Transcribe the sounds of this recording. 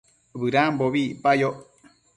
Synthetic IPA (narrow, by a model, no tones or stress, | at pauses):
βɨɾãmboβipajoʔ